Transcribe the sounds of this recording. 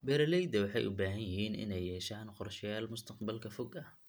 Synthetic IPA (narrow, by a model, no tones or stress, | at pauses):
bɛɾɐlɛjd̪ɐwɑħɑ̰jʔʊ̰baːɦɐnjɪɦiːnɪ̰nɛjːɛːʃaːnqɔrʃɪjaːlmʊst̪ʰɐqbɐlkʰɐfɔɡɐh